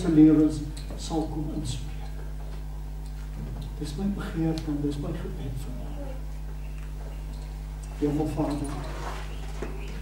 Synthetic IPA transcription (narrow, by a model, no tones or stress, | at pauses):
fəliəvəns | sɐlˠkɔmɔntspriək | d̥əsməjbəχiərtəmdəsməjχəbɛtfərmə | iəmɐlˠfɑːdər